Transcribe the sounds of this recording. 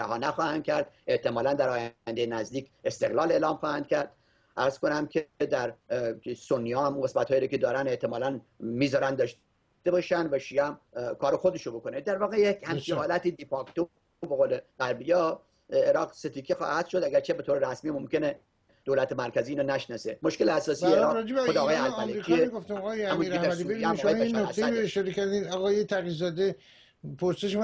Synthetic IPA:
æ̰ɦɒːnæxɒːhænd̪kʲʰæɾd̪ʔe̞ht̪e̞mɒːlænd̪æɾɒːjænd̪ejenæzd̪iːkʰe̞st̪e̞ɣlɒːle̞ːlɒːmxɒːhænd̪̥̚kʰʲæɾd̪̥ | ʔæɾz̥ko̞næmkʰed̪æɾsonːiɒːæmuɡe̞smæt̪hɒːiːɾocʰe̞d̪ɒːɾæne̞ht̪ʰemɒːlæn | miːzɒːɾænd̪ɒʃ | t̪ebɑʃænd̪væʃiæmkʰɒːɾexo̞d̪e̞ʃobo̞ko̞ned̪æɾvɒːɣejekhæmt͡ʃiɒːlæt̪iːd̪ipʰɒkt̪o | beɣoːleɡ̥æɾbijɒː | eɾɒːqset̪ʰiːkʰexɒ̰ːhæd̪̥ʃod̪æɡæɾt͡ʃʰebe̞t̪ʰoːɾeɾæsmiːmomkʲe̞ne | d̪̥oːlæt̪ʰemæɾkʰʲæziːnɑnæʃnɒsemoʃkʲeleæsɒːsijeeɾɒːd͡ʒeexod̪ːɣːjeælæleikʰieɡoft̪imɣɑːjeææmunɾed̪iæmːjeæinnoæsæɾoeʃɒɾekʰæɾd̪iɒɣɒːjet̪ʰæɣilzɒːd̪e | pʰoɾseʃ

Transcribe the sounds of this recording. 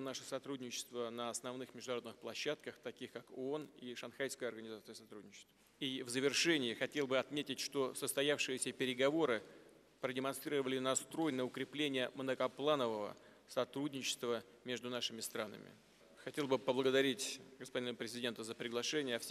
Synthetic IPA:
naʂəsɐt̪ɾudʲnʲɪt͡ɕɪ̥st̪vənəɐsnɐvnɨxmʲɪʐd̪ʊnɐɾo̞d̪nɨxplˠɐɕːat̪̚kəxt̪ɐkʲixkakoo̞niʂɐnxajskəjɐrɡənʲɪzat̪sɨəsɐt̪ɾudʲnʲɪt͡ɕɪ̥st̪və | ivzəvʲɪrʂɛnʲɪːxɐtʲe̞lˠbɨɐt̪mʲetʲɪtʲʂt̪o̞səst̪ɐjafʂɨjɪsʲəpʲɪɾʲɪɡɐvo̞ɾɨ | pɾədʲɪmɐnst̪ɾʲiɾəvəlʲɪnɐst̪ɾo̞jnəʊkɾʲɪplʲenʲɪjəmnəkɐplˠanəvəvə̰ | sɐt̪ɾudʲnʲɪt͡ɕɪ̥st̪və | mʲe̞ʐd̪ʊnaʂɨmʲɪst̪ɾanə̰mʲɪ̰ | xɐtʲe̞lˠbɨpəblˠəɡəd̪ɐɾʲitʲɡəspɐdʲinəpɾʲɪzʲɪdʲe̞nt̪əzəpɾʲɪɡlˠɐʂɛnʲɪjəfsʲ

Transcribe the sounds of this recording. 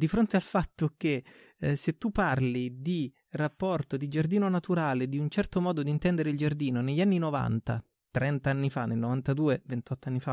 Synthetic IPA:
d̪ifɾont̪ealfat̪ːok̟e | set̪ːupːarlid̪i | rapːɔrt̪od̪id͡ʒard̪iːnonat̪uɾaːled̪iunt͡ʃɛrt̪omɔːd̪od̪int̪ɛnd̪eɾeild͡ʒard̪iːnoneʎːanːinova̰nt̪a̰ | t̪ɾɛnt̪aanːifanelnovant̪ad̪uːevent̪ɔt̪ːoanːifa

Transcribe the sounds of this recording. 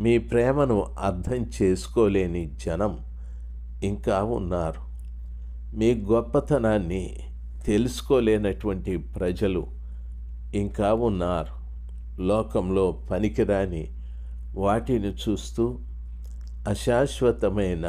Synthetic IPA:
miːpɾɛːmɐnuɐɾd̪ʰɐmt͡ʃe̞ːsu̥ko̞ːleːnid͡ʒɐnɐm | iŋkaːunːaːɾu | miːɡɔpːɐt̪ɐnaːnːi | t̪e̞lusu̥ko̞ːleːnɐʈuʋɐɳʈipɾɐd͡ʒɐlṵ | iŋkaːunːaːɾu | lɔːkɐmlo̞ːpɐnikiɾaːnḭ | ʋaːʈinit͡ʃuːst̪uː | ɐʃaːʃʋɐt̪ɐmɐjnɐ

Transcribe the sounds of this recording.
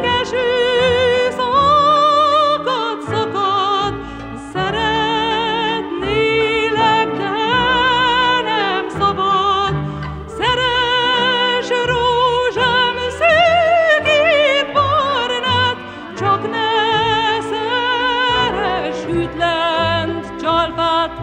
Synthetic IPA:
kɛʃø | sɔ | kɒt̪sɒkɒt̪ | sɛɾɛ | t̪nelɛknɛ | nɛmsɒbɒd̪ | sɛɾɛ | ʃɾoːʒamsøɡet̪bornɛt̪ | t͡ʃɒknɛ | sɛ | ɾɛʃyt̪lɛnt̪t͡ʃɒlfaːt̪

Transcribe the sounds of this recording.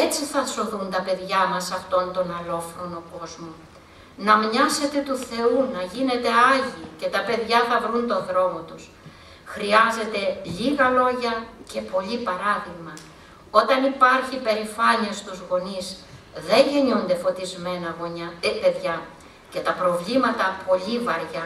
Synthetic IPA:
et͡siθɐso̞ðunt̪ɐpe̞ðʝɐmɐsɐft̪o̞nt̪o̞nɐlo̞fɾono̞ko̞zmo | nɐmɲɐse̞t̪e̞t̪uθe̞unɐʝine̞t̪e̞ɐʝiːce̞t̪ɐpe̞ðʝɐθɐvɾunt̪o̞ðɾo̞mot̪us | xɾiɐze̞t̪e̞ʎiɣɐlo̞ʝɐce̞po̞ʎipɐɾɐðiɣmɐ | o̞t̪ɐnipɐɾçipe̞ɾifɐɲiest̪uzɣo̞nizðeɲʝe̞ɲund̪e̞fo̞t̪izme̞nɐɣoɲɐpe̞ðʝɐ | ce̞t̪ɐpɾo̞vlimɐt̪ɐpo̞ʎivɐɾʝɐ

